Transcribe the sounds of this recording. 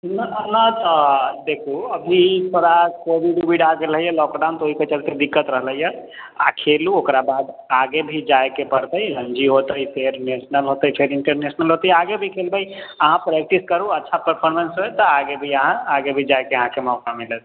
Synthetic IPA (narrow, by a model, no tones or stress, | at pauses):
nnət̪ɔd̪ekʰuəbʱit̪ʰoɾakobiɖubʱiɖaɡeləɦjəlɔkɖawnt̪oɦiket͡ʃəlt̪ed̪ikːət̪ɾəɦləjə | akʰeluokɾabad̪aɡebʱid͡ʒajkepəɾt̪əjɦə̃nd͡ʒiɦot̪əjpʰeɾnesnəlɦot̪əjpʰeɾiɳʈəɾnesnəlɦot̪əjaɡebʱikʰelbəjəɦãpɾek̚ʈiskəɾuətːʃʰapəɾpʰɔɾmənsɦojt̪əaɡebʱiəɦãaɡebʱid͡ʒajkeəɦãkemɔkamilət̪